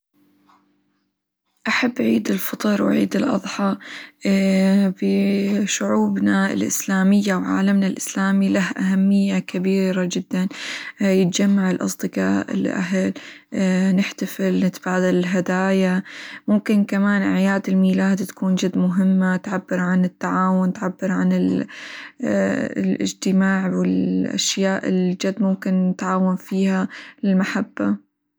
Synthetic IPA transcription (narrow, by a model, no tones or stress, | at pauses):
ʔaħabːʕiːd̪ɪlfɑt̪ˤɨɾˤwʕḭːd̪ɪlʔɑ̰ðˤħɑ | bɪʃʊʕuːbnaɪ̰lʔɪ̰slaːmɪjːawʕa̰ːlamnalʔɪslaːmilahʔaɦamːɪjːakabiːɾad͡ʒɪd̪ːanjɪt̪d͡ʒamːaʕɪlʔɑ̰sˤd̪ɨqa̰ːʔɪ̰lʔa̰ɦal | nɪħt̪afɪlnɪt̪b̥aːd̪alɪlɦad̪aːjamʊmkɪnkamaːnʔaʕjaːd̪ɪlmiːlaːd̪t̪ḁkuːnd͡ʒad̪ːmʊɦɪmːat̪ʕabːɪɾʕanɪt̪ːaʕaːwʊnt̪ʕabːɪɾʕanɪl | lʔɪ̰d͡ʒt̪ɪmaːʕwɪlʔa̰ʃjaːʔɪld͡ʒad̪ːmʊmkɪnːɪt̪ʕaːwanfiːhalɪlmaħabːa